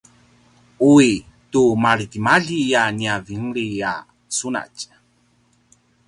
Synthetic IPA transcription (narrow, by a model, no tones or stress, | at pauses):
ui | tumaɾitimaɮijaniavimɾija̰ | suna̰c